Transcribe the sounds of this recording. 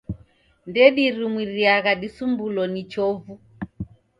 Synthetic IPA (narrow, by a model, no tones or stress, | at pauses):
ndɛɗiɾimwiɾiaɣaɗisumbulɔnit͡ʃɔvu